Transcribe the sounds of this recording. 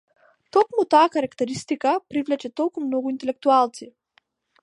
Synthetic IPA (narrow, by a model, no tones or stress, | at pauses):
t̪ɔkmut̪aːkaɾakt̪ɛɾist̪ikapɾivlɛt͡ʃɛt̪ɔlˠkumnɔɡuint̪ɛlɛk̚t̪ualˠt̪si